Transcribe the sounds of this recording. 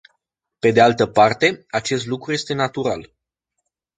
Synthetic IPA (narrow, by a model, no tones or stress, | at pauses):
pe̞d̪ealt̪əpart̪e̞at͡ʃe̞st̪lukɾuje̞st̪e̞nat̪uɾa̰l